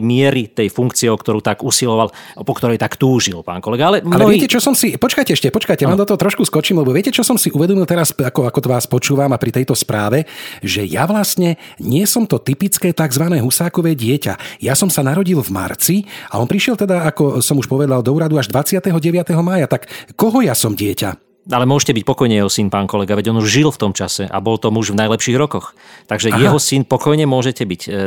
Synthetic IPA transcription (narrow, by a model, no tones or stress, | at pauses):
mɪɛɾit̪ɛjfuŋkt͡siɛɔkt̪ɔɾuːt̪aɡusilɔʋalpɔkt̪ɔɾɛjt̪akt̪uːʒilpa̰ːnkɔlɛɡaalɛmalɛʋɛɛcɛt͡ʃɔsɔmsipɔt͡ʃkajcɛɛʃcɛpɔt͡ʃkajcɛʋaːmd̪ɔt̪ɔɦɔt̪ɾɔʃkuskɔt͡ʃiːmlɛbɔʋɪɛcɛt͡ʃɔsɔmsiʔuʋɛd̪ɔmilt̪ɛɾasakɔakɔt̪ɔʋaːspɔt͡ʃuːʋamapɾit̪ɛjt̪ɔspɾaːʋɛʒɛja̰ʋlast̪ɲɛɲɪɛsɔmt̪ɔt̪ipit͡skɛːt̪aɡzʋanɛːɦusaːkɔʋɛːɟɪɛca̰jasɔmsanaɾɔɟilvma̰ɾt͡siaɔnpɾiʃɪɛlt̪ɛd̪aakɔsɔmuʃpɔʋɛd̪ald̪ɔuːɾad̪uaʒd̪ʋat͡sɪat̪ɛɦɔɟɛʋjat̪ɛɦɔmaːjat̪akːɔɦɔjasɔmɟɪɛca̰ | alɛmʊɔʒɛcɛbic̚pɔkɔjɲɛjɛɦɔsinpaːnkɔlɛɡaʋɛɟɔnuʒʒilft̪ɔmt͡ʃasɛʔa̰bɔlt̪ɔmuʒvnajlɛpʃiːɣɾɔkɔxt̪aɡʒɛjɛɦɔsinpɔkɔjɲɛmʊɔʒɛcɛbic